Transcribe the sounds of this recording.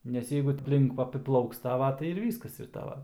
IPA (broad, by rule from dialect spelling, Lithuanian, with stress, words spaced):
nʲɛs ˈjɛɪɡʊ ɐpʲˈlʲɪŋk ɐpʲɪˈplˠɐʊks ˈtɑːʋɐ tɐɪ ɪr ˈʋʲiːskɐs ɪr ˈtɑːʋɐ